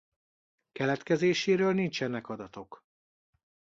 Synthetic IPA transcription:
kɛlɛt̪kɛzeːʃeːɾøːlnint͡ʃɛnɛkɒd̪ɒt̪o̞k

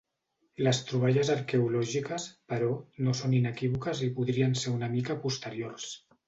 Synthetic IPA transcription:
ləst̪ɾuβ̞aʎəzəɾkeulɔʒikəspəɾɔnosoninəkiβukəzipuðɾiənseunəmikəpust̪əɾjoɾs

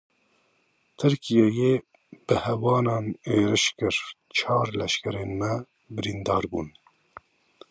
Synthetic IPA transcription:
t̪ʰɨɾkʰijeje | b̥ɨhɛwɑːnɑːneːɾɨʃkɨɾ | t͡ʃʰɑːɾlɛʃkɛɾeːnmɛ | bɨɾind̪ɑːɾbṵːn

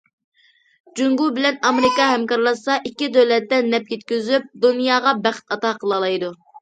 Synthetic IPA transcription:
d͡ʒuŋɡubɪlɛnɑmeɾɪkɑhɛmkɑɾlˠɑsɑʔikʲːid̪øwlɛt̪ːɛnɛp̚jet̪̚kʲyzyp̚d̪unjɑːʁɑbæχt̪ɑt̪ɑːqʰəlˠɑlˠɑjd̪u

